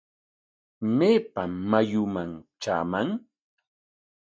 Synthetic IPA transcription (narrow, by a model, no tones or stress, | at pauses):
meːpamːajʊmaŋt͡ʃa̰ːmaŋ